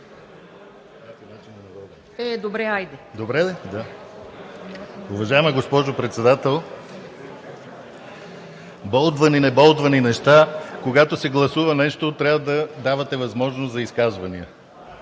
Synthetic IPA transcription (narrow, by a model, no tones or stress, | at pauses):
kat̪ɛnat͡ʃinnv | ɛd̪obɾɛajd̪ɛd̪obɾɛd̪a | ʊvɐʒaɛməɡospɔʒopɾɛt̪sɛd̪at̪ɛlˠ | bɔlˠd̪vɐninɛbɔlˠd̪vɐninɛʃt̪akoɡat̪osɛɡlˠɐsuvɐnɛʃt̪ot̪ɾʲavəd̪ɐd̪avɐt̪ɛvɐzmɔʒnoszɐiskazvɐniə